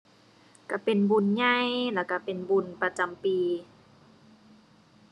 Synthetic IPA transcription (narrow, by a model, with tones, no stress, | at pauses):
ka˧˩pe˨nbu˧˩˨nɲa˧jlɛː˧˩˨ka˧˩pe˨nbu˧˩˨npa˧t͡ɕa˨mpiː˨˧